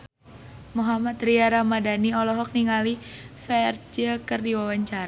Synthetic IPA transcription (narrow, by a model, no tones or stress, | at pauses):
muɦamat̪riaɾamadaniɔlɔɦɔk̚niŋalifɛrd͡ʒəkərdiwawaɲt͡ʃaɾa